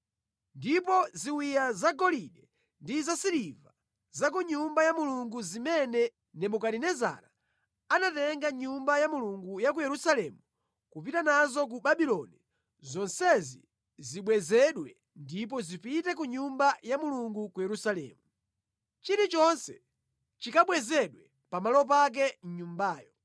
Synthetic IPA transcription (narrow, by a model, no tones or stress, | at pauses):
ndipɔziwijazaɡɔliɗɛ | ndizasiɾiva | zak̬uɲumbajamuluŋɡuzimɛnɛ | nɛmukaɗinɛza̰ɾa | anatɛŋɡaɲumbajamuluŋɡujak̬ujɛɾusalɛmu | kupitanazɔk̬uɓaɓilɔni | zɔnsɛzi | ziɓwɛzɛɗwɛ | ndip̬ɔzipitɛk̬uɲumbajamuluŋɡukujɛɾusalɛ̰ːmu | t͡ʃiɾit͡ʃɔnsɛ | t͡ʃikaɓwɛzɛɗwɛ | pamalɔp̬ak̬ɛn̩ɲumbaːjɔ